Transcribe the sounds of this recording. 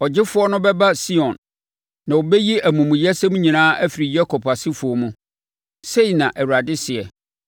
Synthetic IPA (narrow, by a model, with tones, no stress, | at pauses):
ɔ˨d͡ʑɪ˦fʊ˦ɔ˦nʊ̃˦bɛ˦ba˦si˦ɔ̃˨nː | ã˨wo˨bɛ˦ji˦ʔæ˨mũ˨mũ˨jɛ˦sɛ̃˦mũ˦ɲĩ˨nãː˦ʔæ˦fɪ˨ɾi˨jɛ˦kʰɔ˨pa˨sɪ˦fʊ˨ɔ˨mũ˦ | se˦i˨nã˨ʔæ˨wu˨ɾa˨dɪ˦sɪ˨ɛ˨